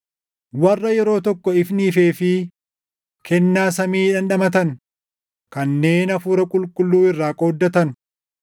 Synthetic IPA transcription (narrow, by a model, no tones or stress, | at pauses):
wɐrːɐjɛɾo̞ːt̪ɔkːɔɪfnɪfe̞ːfɪ | kɛnːaːsɐmiːᶑɐnᶑɐmɐt̪ɐn | kɐnːe̞ːnɐfuːɾɐkʼʊlkʼʊlːuːɪrːaːkʼo̞ːd̪ːɐt̪ɐn